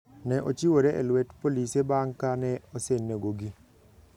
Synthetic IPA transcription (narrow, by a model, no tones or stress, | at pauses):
nɛʔot͡ʃiwoɾeʔelwɛtpolisebaŋkanɛɔsenːeɡoɡi